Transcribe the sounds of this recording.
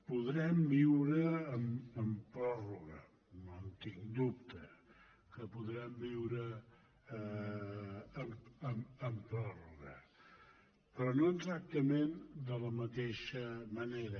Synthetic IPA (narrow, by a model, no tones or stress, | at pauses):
puðɾɛmbiwɾəːməmpɾɔruɣə̰ | nont̪iŋd̪up̚t̪ə | kəpuðɾɛmbiwɾə | məməmpɾɔruɣə̰ | pɾɔnont̪ɾak̚t̪əmend̪ələmət̪eʃəməneɾə